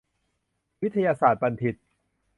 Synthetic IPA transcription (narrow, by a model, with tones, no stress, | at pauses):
wi˦˥t̪ʰːa˧jaː˧saː˨˩t̪̚ba˧nt̪ʰi˨˩t̪̚